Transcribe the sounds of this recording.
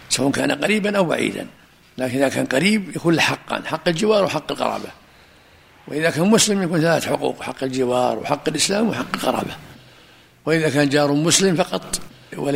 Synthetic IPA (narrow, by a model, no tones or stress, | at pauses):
sawʔankaːnaqɑɾiːbanʔawba̰ʕḭːd̪a̰n | laːkɪnʔiðaka̰ːnqɑɾiːbjakuːnlɪħɑqːɑ̰nħɑqːɪld͡ʒɪwɑːɾˤwɪħɑqːɪlqɑ̰ɾˤɑ̰ːba | wɪʔɪðakaːnmʊslɪmjakuːnθalaːθħʊqṵːqħɑqːɪld͡ʒɪwɑːɾˤwɪ̰ħɑqːɪlʔɪslaːmwɪħɑqːɪlqɑ̰ɾˤɑ̰ːba | wɪʔɪðakaːnd͡ʒɑːɾˤʊmʊslɪmfɑqɑt̪ˤ | wa